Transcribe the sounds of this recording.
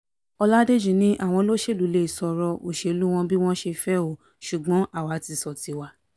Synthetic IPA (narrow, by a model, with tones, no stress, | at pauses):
ɔ˧la˦de˦d͡ʒũ˨nĩ˦ʔa˦˨w̃ɔ̃˧lo˦ʃe˦˨lu˨˦le˦i˨sɔ˧ɾɔ˧o˨ʃe˧lu˦w̃ɔ̃˧bi˦w̃ɔ̃˦ʃe˧fɛ˦o˨ | ʃu˨ɡ͡bɔ̃˨˦ʔa˦˨wa˨˦ti˧sɔ˨ti˨˧wa˧˨